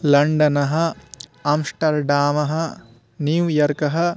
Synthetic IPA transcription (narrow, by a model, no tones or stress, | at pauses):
lɐɳɖɐnɐɦɐ̆ɐmʂʈɐɾɖaːmɐɦɐ | njujɐɾkɐɦɐ̆